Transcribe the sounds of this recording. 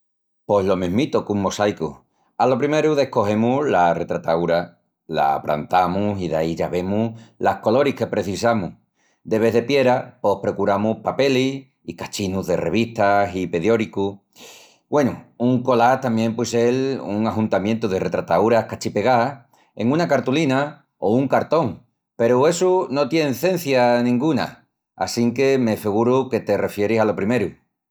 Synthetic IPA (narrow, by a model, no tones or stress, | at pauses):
po̞ɦlo̞mẽɦmit̪okuŋmo̞sajku | alo̞pɾime̞ɾuðe̞hko̞he̞mulare̞t̪ɾat̪auɾa | la̰pɾa̰nt̪amusiðaiʝaβe̞mulahko̞lo̞ɾihke̞pɾe̞θisamu | d̪e̞βe̞ðe̞pje̞ɾapo̞hpɾo̞kuɾamuhpape̞lis | ikat͡ʃinuðe̞re̞̰β̞iht̪asipe̞ðjo̞ɾiku | bwe̞nuuŋko̞lat̪ambje̞mpweseluŋaxunt̪amjẽnt̪uðe̞re̞t̪ɾat̪auɾahkat͡ʃipe̞ɣa | e̞ŋũnakaɾt̪ulina | ouŋkaɾt̪o̞ŋ | pe̞ɾue̞suno̞t̪je̞nθẽ̞n̟θjanĩŋɡuna̰ | a̰siŋke̞mefeɣ̞uɾuke̞t̪e̞re̞fje̞ɾisalo̞pɾime̞ɾu